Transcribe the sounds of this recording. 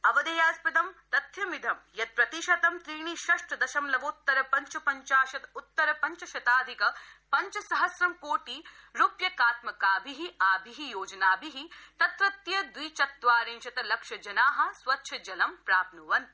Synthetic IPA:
ɐʋɐd̪ɐjaːspɐd̪ɐmt̪ɐt̪jɐmid̪ʱɐmjɐt̪̚pɾɐt̪iʃɐt̪ɐmt̪ɾiːɳ̃iʃɐʂʈɐd̪ɐʃɐmlɐʋoːt̪ːɐɾɐpɐɲt͡ʃɐpɐɲt͡ʃaːʃɐt̪ut̪ːɐɾɐpɐɲt͡ʃɐʃɐt̪aːd̪ʱikɐpɐɲt͡ʃɐsɐɦɐsɾɐmkoːʈiɾupjɐkaːt̪mɐkaːbʱiɦiaːbʱiɦijoːd͡ʒɐnaːbʱiɦit̪ɐt̪ɾɐt̪jɐd̪ʋiːt͡ʃɐt̪ʋaːɾẽːnt͡ʃɐt̪ɐlɐkʃɐd͡ʒɐnaːɦɐ̆sʋɐtːʃʰɐd͡ʒɐlɐmpɾaːpnuʋɐn

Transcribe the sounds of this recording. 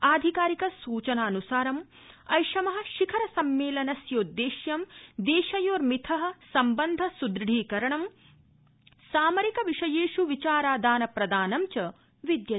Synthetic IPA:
aːd̪ʱikaːɾikɐsuːt͡ʃɐnaːnusaːɾɐm | ɐjʃɐmɐɦɐ̆ʃikʰɐɾɐsɐmːeːlɐnɐsjoːd̪ːeːʃjɐmd̪eːʃɐjoːɾmit̪ʰɐɦɐ̆sɐmbɐnd̪ʱɐsud̪ɾɽʱiːkɐɾɐɳɐm | saːmɐɾikɐʋiʂɐjeːʃuʋit͡ʃaːɾaːd̪aːnɐpɾɐd̪aːnɐmt͡ʃɐ | ʋid̪jɐ

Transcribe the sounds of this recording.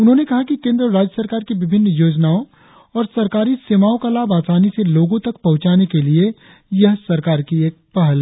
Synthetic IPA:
ʊnɦõnekɐɦakikẽːnd̪ɾəɾaːd͡ʒjəsɐɾkaːɾkiʋɪbʱɪnːjoːd͡ʒnaːõ | ɔːɾsɐɾkaːɾiseːmaːõkalaːbaːsaːniseloːɡõt̪ɐk̚pɐɦʊ̃t͡ʃaːnekelie | jɐɦsɐɾkaːɾkieːk̚pɐɦəlː

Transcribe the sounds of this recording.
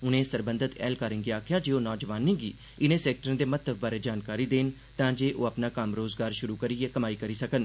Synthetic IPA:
ʊnẽːsəɾbənd̪ʱət̪ɛ̰ːlkaːɾɪ̃ŋɡiːaːkʰɪjaːd͡ʒeːoːnɔːd͡ʒʋaːnẽːɡḭː | ɪnẽːsɛːk̚ʈəɾə̃d̪eːmət̪ʰːəbbaːɾeːd͡ʒaːnkaːɾiːd̪eːn | t̪ãːd͡ʒeːʔoːəpnaːkəmɾoːzɡaːɾʃʊɾuːkəɾiːeːkəmaːiːkəɾiːsəkən

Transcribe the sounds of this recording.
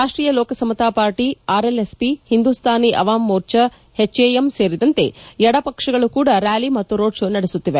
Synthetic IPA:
ɾaːʂʈɾiːjɐlɔːkɐsɐmɐt̪aːpaːɾʈiaːɾelespihind̪uːst̪ʰaːniʔɐʋaːmːuːɾt͡ʃɐ | het͡ʃːeːjemse̞ːɾid̪ɐnt̪e̞̰jɛɽɐpɐkʂɐɡɐɭukuːɽɐɾaːlimɐt̪ːuɾoːʈt͡ʃunɐɽesut̪ːiʋe

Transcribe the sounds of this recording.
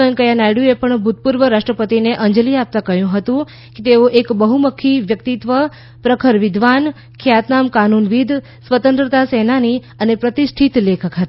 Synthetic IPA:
ənkəjanajɽuepəɳbʱut̪̚puɾʋəɾaʂʈɾəpət̪ineʔəɲd͡ʒəliap̚t̪ãkəɦjũɦət̪ũ | ket̪eoʔekbəɦuməkʰːiʋjək̚t̪it̪ʋə | pɾəkʰəɾʋɪd̪ʱʋan | kʰjat̪namkanunʋid̪ʱ | sʋət̪ə̃nt̪ɾət̪asenani | ənepɾət̪isʈʰit̪lekʰəkɦət̪

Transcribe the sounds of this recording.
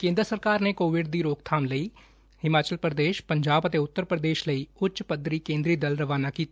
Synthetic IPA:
kẽːnd̪ɾəsəɾkaːɾnekoːʋɪɖd̪iɾoːɡ̚t̪ʰaːmlɐi | hɪmaːt͡ʃəlpɾəd̪eːʃpɐ̃ɲd͡ʒaːbət̪eʊt̪ːəɾpɾəd̪eːʃlɐiʊtːʃpɐd̪ɾikẽːnd̪ɾid̪ɐlɾɐʋaːnakiːt̪ː

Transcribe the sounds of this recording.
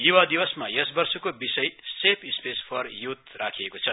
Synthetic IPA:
juwad̪ibʌsmajʌsbʌrsokobisʌjsepʰispespʰʌrjut̪rakʰiekot͡sʰʌ

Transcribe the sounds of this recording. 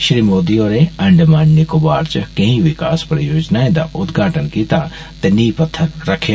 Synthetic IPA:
ʃɾimoːd̪ijoːɾeɐ̃ɳɖmaːnnikobaːɾt͡ʃɐkɐ̃ɦĩʋɪkaːspɾɐjoːd͡ʒnaːẽnd̪a̰ʔʊd̪ɡʱaːʈənkiːt̪a | t̪ɐniːpɐt̪ʰːəɾːɐkʰː

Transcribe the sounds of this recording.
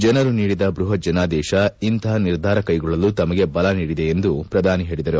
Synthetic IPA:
d͡ʒɛnɐɾuniːɽid̪ɐbɾuɦɐd͡ʒɐnaːd̪ɛːʃɐint̪ɐɦɐniɾd̪ʱaːɾɐkɐjɡɔɭːɐlut̪ɐmɐɡe̞bɐlɐniːɽid̪eːnd̪upɾɐd̪ʱaːniɦe̞ːɭid̪ɐɾu

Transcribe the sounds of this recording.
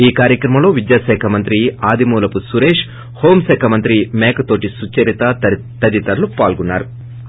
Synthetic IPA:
iːkaːɾjɐkɾɐmɐmlo̞ːʋid̪jaːʃɛːkʰɐmɐnt̪ɾiaːd̪imuːlɐpusuɾeːʂ | ho̞ːmsɛːkʰɐmɐnt̪ɾimeːkɐt̪o̞ːʈisut͡ʃɐɾit̪ɐ | t̪ɐd̪it̪ɐɾlupaːlɡunːa̰ːɾu

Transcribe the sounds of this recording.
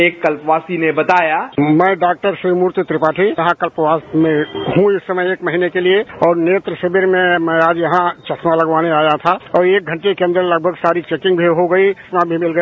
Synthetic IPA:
eːkːɐlpʋaːsinebɐt̪aːjamɛ̃ːɖaːk̚ʈəɾsɾimuɾt̪t̪ɾɪpat̪ʰiɦãkəlpʋaːsmẽɦũiɪsːəməjeːkməɦinekelieɔːɾneːt̪ɾəʃebeɾmẽmɛ̃aːd͡ʒjɐɦãt͡ʃɐsʰmãləɡʋaːneaːjat̪ʰaɔːɾeːk̚ɡʱə̃ɳʈekeə̃nd̪əɾləɡ̚bʱəɡsaːɾit͡ʃeːkɪ̃ŋɡbʱiɦoɡəismãbʱimɪlɡə

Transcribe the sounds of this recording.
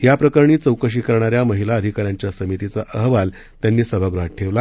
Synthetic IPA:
ɦjapɾəkəɾɳiːt͡səwkəɕ̬iːkəɾɳ̃aɾjaməɦilaəd̪ʱikaɾjaɲt͡ɕjasəmit̪it͡saʔəɦʋal | t̪janːiːsəbʱaɡɾuɦaʈʈʰeʋla

